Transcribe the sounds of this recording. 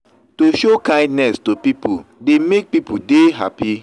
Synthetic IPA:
toʃokãɪ̃ndnɛstopipʰudemek̚pipudeɦa̰pi

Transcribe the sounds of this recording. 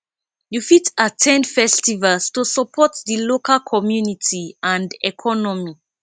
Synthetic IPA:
jufitatʰɛ̃ndfɛstivalstusɔpʰɔtðəlokʰalkʰɔmjunitʰiãndɛkʰɔnɔmi

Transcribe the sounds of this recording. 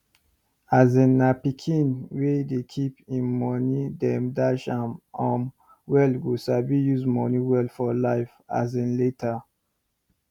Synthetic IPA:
azẽnapikʰĩnwedekʰipĩnmɔnidɛ̃mdaʃãmɔ̃m | wɛlɡusabijuzmɔniwɛlfɔlaɪfa̰zɛ̃nletʰə

